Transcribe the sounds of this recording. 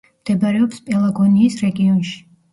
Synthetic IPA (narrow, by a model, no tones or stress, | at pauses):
md̪̥ɛbaɾɛɔpspʼɛlˠaɡɔniːsɾɛɡiɔnʃi̥